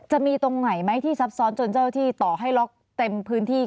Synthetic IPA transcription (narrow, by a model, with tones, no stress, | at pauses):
t͡ɕa˨˩ʔmiː˧t̪o˧ŋma˨˩jma˦˥jt̪ʰiː˥˩sa˦˥p̚sɔː˦˥nt͡ɕo˧nt͡ɕaː˥˩wt̪ʰiː˥˩t̪ɔː˨˩ɦa˥˩jlo˦˥k̚ | t̪e˧mpʰɯː˦˥nt̪ʰiː˥˩